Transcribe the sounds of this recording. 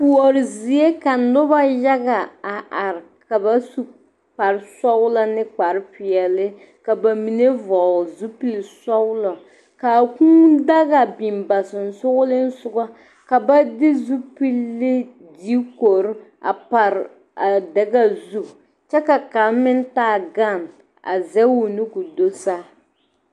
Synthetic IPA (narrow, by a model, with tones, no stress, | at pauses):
pu˨ɔ˨ɾɪ˨zi˨e˦ka˨nʊ˦ba˦ja˦ɡa˨a˨ʔa˨ɾka˨ba˦su˦ | pa˨ɾsɔ˦ɣʊ˦la˦nɪ˦k͡pa˨ɾɪ˦pi˨ɛ˨lɪ˦ | ka˨ba˨mi˨ne˦vɔ˨zu˦pi˦lsɔ˦ɡʊ˦lɔ˨ | ka˨kũ˦da˦ɣa˨bi˨mba˨sɪ˨n˨sʊ˦ɣʊ˦lɪ˦n̩˦sʊ˦ɡɔ˦ | ka˨ba˦dɪ˦zu˦pi˦lːɪ˦ | di˦ko˨ɾa̰˨pa˨ɾ | a˨dɛ˨ɡa˦zu˦ | t͡ʃɛ˦ka˨ka˨˦mɪ˦n˦taː˦˨ɡa˦˨m | a̰˨zɛ˦wu˦˨nu˦ku˨do˦sa˦